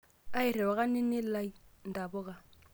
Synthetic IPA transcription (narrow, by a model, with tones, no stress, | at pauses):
a˦ɪ˨rɛ˨wa˨kʼa˦nɪ˦nɪ˦lla˦i˦n̩˨ta˨bɔ˦kʼa˨